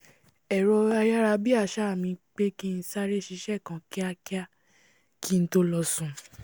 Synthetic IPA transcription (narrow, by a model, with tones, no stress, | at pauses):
ɛ˨ɾɔ˧a˧ja˦ɾa˧bi˦a˦˨ʃa˦˨mĩ˧k͡pe˦ki˦˧n̩˧˦sa˦ɾe˦˨ʃi˧˦ʃɛ˦˨kã˨ki˦a˧ki˦a˦˨ | ki˦˧n̩˦to˧˦lɔ˧sũ˧